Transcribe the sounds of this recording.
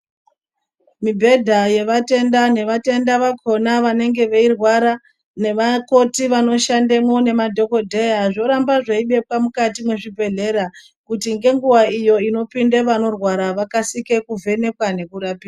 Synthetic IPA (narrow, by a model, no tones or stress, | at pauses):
mibʱe̞dʱaje̞ʋate̞ndane̞ʋate̞ndaʋakʰo̞naʋane̞ŋɡe̞ʋeirwaɾa | ne̞ʋako̞tiʋano̞ʃandemo̞ne̞madʱo̞ko̞dʱe̞jaʐo̞ɾambaʐaiɓe̞pwamukatimwe̞ʐibʱe̞ɮe̞ɾa | kutiŋɡe̞ŋɡuwaijo̞ino̞pindeʋano̞rwaɾaʋakasike̞kuvʱe̞ne̞kwane̞kuɾapiːa